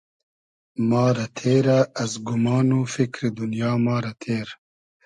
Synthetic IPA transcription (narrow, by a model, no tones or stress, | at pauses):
mɑːɾɐt̪ʰeːɾaːzɡʊmɑːnufikɾid̪unjɑːmɑːɾɐt̪ʰeːɾ